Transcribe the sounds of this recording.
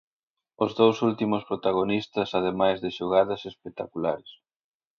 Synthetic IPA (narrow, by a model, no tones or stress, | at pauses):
ozðowsult̪imʊspɾot̪aɣonist̪ɐsaðemajzðɪʃoɣaðɐsespek̚t̪akulaɾes